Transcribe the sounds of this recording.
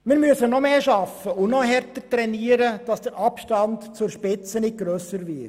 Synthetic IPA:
mɪːɾmyəsənɔmeːʃɑfəʊnɔɦɛɾtətɾɛniːəɾəd̥ɑsd̥əɾʔɑpʃtɑntt͡sʊɾʃpɪt͡sənɪt̚ɡ̥ɾøːsəɾvɪt

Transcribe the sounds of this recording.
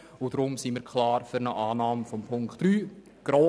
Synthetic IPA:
ʊd̥ɾʊmsiːmiːɾkʰlɑːɾfyɾnəʔaːnɑːmfɔmpʰʊŋktryː | ɡ̥ɾoː

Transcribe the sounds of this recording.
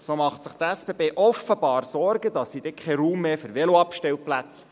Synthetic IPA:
somɑχtsəχt̪æsb̥ebeːʔɔfəb̥ɑːɾsɔɾɡəd̪ɑsːid̥̪ɛkχɛɾuːmːeːfʏɾʋɛloɑpʃtɛlplæt͡s

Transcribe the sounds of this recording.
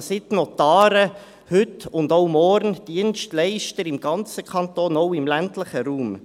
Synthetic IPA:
sɪtnɔtaːɾə | hʏtʊndoʊmɔɾnd̥iənʃtlɛɪʃtəɾɪmɡ̥ɑnt͡səkʰɑnt̪oːnɔʊɪmlæntləχəɾuːm

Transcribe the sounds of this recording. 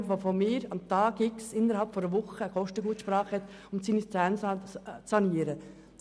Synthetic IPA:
ʋofomɪːɾɑmt̪ɑːɡɪksɪnəɾhɑlpfɔɾəʋʊχəəkʰɔʃtəɡuːt̪ʃpɾɑːχhɛt̪ | ʊmsiːnist͡sæːnst͡sːɑniːəɾə

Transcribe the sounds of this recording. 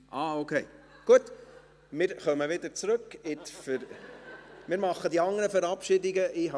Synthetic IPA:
ʔɑːokʰeɪ | ɡ̥uət̪ | mɪːɾχœməʋɪd̪əɾt͡sɾɵkːɪt̪fə | mɪːɾmɑχːəd̪iɑŋːəɾəfəɾɑpʃɪdɪɡəʔɪɦ

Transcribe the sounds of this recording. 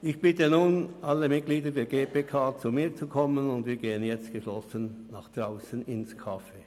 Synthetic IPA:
ɪçb̥ɪtənuːnʔalːəmɪt̚kliːdədɛːɐɡeːpeːkʰaːt͡sumiːt͡sukʰɔmənʊndviːɐɡeːənjɛt͡st̚ɡ̥əʃlɔsənːaːχd̥ʁaʊsənɪnskʰafeː

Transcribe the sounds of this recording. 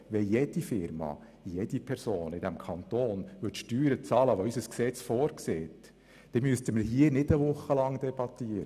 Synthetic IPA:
ʋɛjed̥ifɪɾmɑ̰ | jed̥ipʰɛɾsoːnɪd̪æmkʰɑnt̪oːnʋʏtʃtyːɾət͡sɑːləʋoysəsksɛt͡sfɔːɾkseːt | d̥ɛmyəst̪əməɾɦiənɪdəʋʊχːəlɑŋd̪ɛb̥ɑtːiəɾə

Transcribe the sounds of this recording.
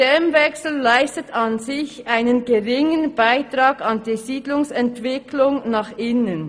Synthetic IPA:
ɛmvɛksl̩ːaɪstətʰɑnzɪçʔaɪnənɡəʁɪŋənb̥aɪtʁɑːɡɑndiːziːdlʊŋsɛntv̥ɪkʰlʊŋnaχʔɪnən

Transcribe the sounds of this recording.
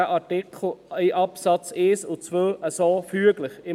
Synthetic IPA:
əʔɑtɪkχl̩iʔɑpsɑt͡seːsʊt͡svøʔəsoːfyəɡləχɪ

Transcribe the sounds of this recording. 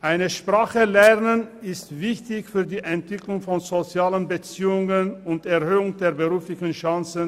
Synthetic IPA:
ʔaɪnəʃpʁ̥aːχəlɛʁnənɪstv̥ɪçtɪçfyːɐdiːʔɛntv̥ɪklʊŋfɔnzot͡sjaːlənbət͡siːʊŋənʊntɛɐhøːʊŋd̥eːɐbəʁuːflɪçən̩ʃaŋt͡sən

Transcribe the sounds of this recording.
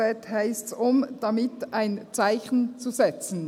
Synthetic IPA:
ɛthaɪstsʊmd̥amɪtaɪnt͡saɪçn̩t͡suzɛt͡sn̩

